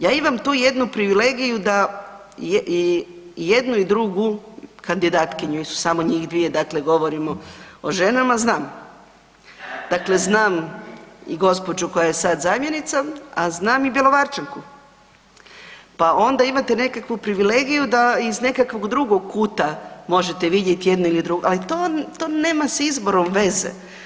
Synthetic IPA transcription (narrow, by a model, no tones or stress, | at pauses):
jaːimamt̪uːje̞d̪nupɾiʋile̞ɡijud̪a | j | jed̪nuid̪ɾuɡukand̪id̪aːt̪kiɲuisu̥samoɲiːxd̪ʋije̞d̪akle̞ɡo̞ʋo̞ɾimooʒe̞namaznaːm | d̪̥akle̞znaːm | iɡo̞spo̞d͡ʒuko̞jajesad̪zaːmje̞nit̪saaznaːmibje̞lˠo̞ʋaɾt͡ʃaŋku | pao̞nd̪aimat̪e̞ne̞kakʋupɾiʋileɡijud̪aizne̞kakʋo̞ɡd̪ɾuɡo̞ɡ̚kuːt̪amo̞ʒet̪e̞ʋid̪jet̪ije̞d̪nuilid̪ɾuɡoʔalit̪oːt̪oːneːmasizbo̞ɾo̞mʋe̞zḛ